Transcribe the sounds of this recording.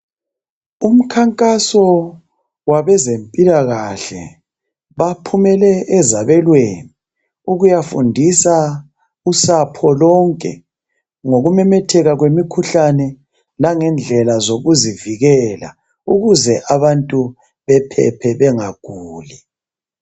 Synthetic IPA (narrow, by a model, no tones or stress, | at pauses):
um̩kʰaŋkʼasɔ | waβɛzempʼilaɣaɬɛ | βapʰumɛlɛʔːzaβɛlweni | uɣujafundʱisa | usapʰɔlɔŋkʼɛ̰ | ŋoɣumɛmɛtʰɛɣaɣwemikʰuɬanɛ | laŋɛnd͡ɮʱɛlazoɣuziviɣɛla̰ | uɣuzɛʔaβantʼu | βɛpʰɛ̰pʰɛβɛŋaɡ̥ʱuːli